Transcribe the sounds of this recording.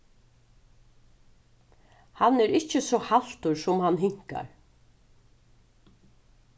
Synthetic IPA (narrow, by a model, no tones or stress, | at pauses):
hanɛɾɪhcɪsɔhal̥t̪ʊɾsʊmhanɦɪŋ̥ka̰ɹ